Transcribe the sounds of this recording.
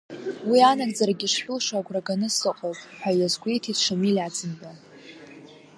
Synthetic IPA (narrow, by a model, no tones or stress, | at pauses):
wianaɡʼd͡zaɾaɡʲiʂħʷᶣʊlʂaɡʷʰʼraɡanɨsɨqʼowpʼħʷajazɡʷejtʰitʂamilʲad͡zɨnba